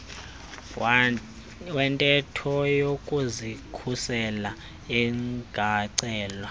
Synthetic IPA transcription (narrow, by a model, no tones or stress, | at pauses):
wɛntʼɛtʰɔjokʼuzikʰusɛla | iŋɡ̥ʱaǀɛːlwa